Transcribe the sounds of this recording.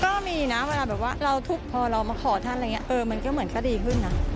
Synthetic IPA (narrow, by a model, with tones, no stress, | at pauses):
kɔː˥˩miː˧naː˦˥we˧laː˧bɛː˨˩p̚waː˥˩ɾa˧wt̪ʰu˦˥k̚pʰɔː˧ɾa˧wma˧kʰɔː˩˦t̪ʰa˥˩nʔa˧˨ŋ˦˥ʔɤː˧ma˧nkɔ˥˩mɯ˩˦ənka˧˩diː˧kʰɯ˥˩nːa˦˥